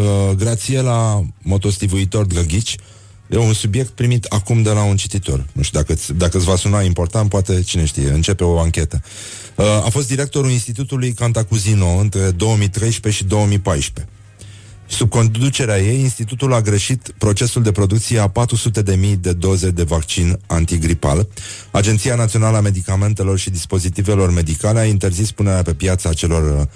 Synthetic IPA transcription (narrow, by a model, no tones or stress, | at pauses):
əɡɾat̪sije̞lamo̞t̪o̞st̪ivuit̪o̞rd̪ɡaɡʲit͡ʃʲ | jeunsubje̞kt̪̚pɾimit̪akumd̪e̞launt͡ʃit̪it̪o̞̰rnuʃt̪id̪akət̪sʲd̪akət̪sʲvasunaimpo̞rt̪ant̪̚poat̪e̞t͡ʃine̞ʃt̪ḭjḛɨnt͡ʃe̞pe̞o̞aŋkʲe̞t̪ə | a̰fo̞st̪d̪iɾe̞k̚t̪o̞ɾulinst̪it̪ut̪ulujkant̪akuzino̞ɨnt̪ɾe̞d̪o̞wəmijt̪ɾe̞jʃpe̞ʃid̪o̞wəmipajʃpe̞ | sub̚ko̞nd̪ut͡ʃe̞ɾeaje̞jinst̪it̪ut̪ulaɡɾe̞ʃit̪pɾo̞t͡ʃe̞suld̪e̞pɾo̞d̪uk̚t̪sije̞apat̪ɾusut̪e̞d̪e̞mijd̪e̞d̪o̞ze̞d̪e̞vakt͡ʃinant̪iɡɾipa̰l | ad͡ʒe̞nt̪sijanat̪sio̞naləame̞d̪ikame̞nt̪e̞lo̞rʃid̪ispo̞zit̪ive̞lo̞rme̞d̪ikale̞aint̪e̞rzispune̞ɾeape̞pjat̪saːt͡ʃe̞lo̞r